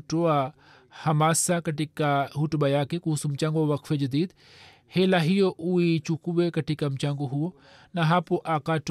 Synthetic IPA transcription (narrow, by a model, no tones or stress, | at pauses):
ʈoa | hɐmaːsakɐʈikaɦuʈbɐjaːkekusumt͡ʃãŋɡoʋɐkʰfed͡ʒɐd̪iːd̪ | helaɦijoʔuit͡ʃukuʋekɐʈikɐmt͡ʃãŋɡoɦuo | naɦapoʔaːkaːʈ